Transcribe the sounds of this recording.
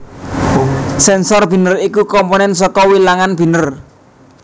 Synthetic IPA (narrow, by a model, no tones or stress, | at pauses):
sɛnsɔrb̥i̤nərikukɔmpɔnɛns̬ɔkɔwilaŋanb̥i̤nər